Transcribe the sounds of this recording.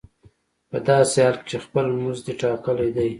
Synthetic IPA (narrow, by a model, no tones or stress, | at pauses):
pəd̪ɑsehɑlkt͡ʃexpəlmuzd̪eʈɑkəlajd̪aj